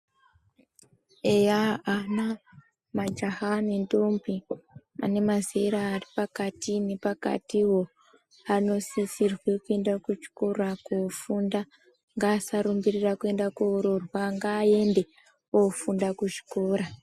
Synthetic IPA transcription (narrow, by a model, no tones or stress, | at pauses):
ejaana | mad͡ʒahanentombimʔa̰ne̞mazeɾaːripakatine̞paka̰tiwo | ano̞sisirwikue̞ndakut͡ʃi̥korakufunda | ŋɡaːsaɾumbirirakue̞ndakuːɾorwaŋɡaːe̞nde̞ | ofundakuʐi̥koːɾa